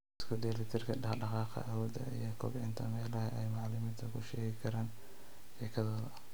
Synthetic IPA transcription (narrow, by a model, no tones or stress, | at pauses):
ɪskʰʊd̪ɛːlɪt̪ʰɪrkʰɐɖɑɖɑqɑːqɑ̰ʔawɔːd̪ɐ̰ijɔkʰɔ̰bʕɪnt̪ʰɐmɛːlɐhɛɛjmɑʕlɪmɪːnt̪ʰɐkʰʊʃɛːɣɪkʰɐɾaːn | ħɪkʰɐðɐðɐ